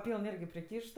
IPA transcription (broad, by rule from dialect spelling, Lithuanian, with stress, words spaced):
ˈpʲiːlˠn ˈɪrʲɡʲɪ pʲrʲɪˈkʲiːʃt